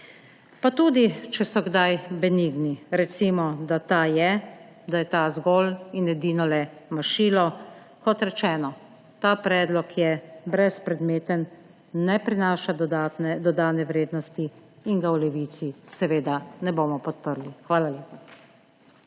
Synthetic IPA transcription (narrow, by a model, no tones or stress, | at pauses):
pat̪uːd̪it͡ʃɛsɔɡd̪ajbɛniɡniɾɛt̪simɔd̪at̪aːjɛ | d̪ajɛt̪azɡɔlinɛd̪iːnɔlɛmaʃiːlɔ | kɔt̪ɾɛt͡ʃɛːnɔ | t̪aːpɾɛːd̪lɔkjɛbɾɛspɾɛd̪meːt̪ənː | ɛpɾinaːʃad̪ad̪ɔd̪aːnɛʋɾeːd̪nɔst̪iːŋɡawlɛʋiːt̪sisɛʋeːd̪anɛboːmɔpɔt̪̚pəɾlixʋaːlaljeːpa